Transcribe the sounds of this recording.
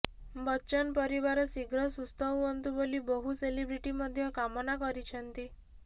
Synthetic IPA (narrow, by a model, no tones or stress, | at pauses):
bɔːt͡ʃɔnɔpɔɾibaɾɔsiɡɾɔsust̪ɔɦuɦɔnt̪ubolibɔɦuselibɾiʈimɔd̪ʱjɔkamɔnakɔɾit͡ʃʰɔnt̪i